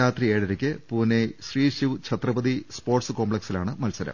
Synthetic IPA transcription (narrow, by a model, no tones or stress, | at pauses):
aːt̪rieːɽɐɾɐkʲːɨpuːneɕriːɕiʋt͡ɕʰɐt̪rɐbɐðispo̞ːrʈsɨko̞ːmpɭeksilaːɳɨmɐlsɐɾɐ̰m